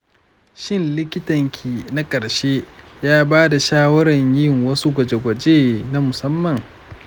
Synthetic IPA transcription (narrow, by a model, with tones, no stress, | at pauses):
ʃɪ˦nlɪ˦kʲɪ˦tɐ˨ŋkʲʰiː˨na˦kʼɐ˨ɽʃeː˦jaː˦baː˦da˨ʃaː˦wɐ˦ɽɐ˨ɲjɪ˦ŋwɐ˦su˦ɡʷɐ˨d͡ʒe˨ɡʷɐ˨d͡ʒeː˦na˦mʊ˨sɐ˦mːɐ˨ŋ